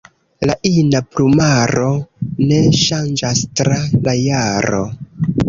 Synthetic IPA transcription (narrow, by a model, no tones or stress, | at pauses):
laʔinaplumaɾo̞ne̞ʃand͡ʒastɾalajaɾo̞̰